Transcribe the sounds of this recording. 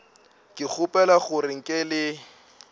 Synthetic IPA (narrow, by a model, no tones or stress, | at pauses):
kʼɪk͡xʰʊpʼɛlaχʊrɪŋ̩kʼɪlɪ